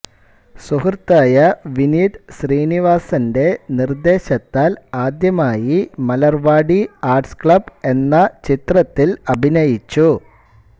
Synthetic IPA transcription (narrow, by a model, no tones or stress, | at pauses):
suɦrt̪ːaːjɐʋiniɖɕriːniʋaːsɐnde̞nird̪e̞ːɕɐt̪ːaːlaːd̪jɐmaːjimɐlɐrʋaːɽiaːrʈskɭɐbe̞nːɐt͡ɕit̪rɐt̪ːilɐbʱinɐjit͡ɕːu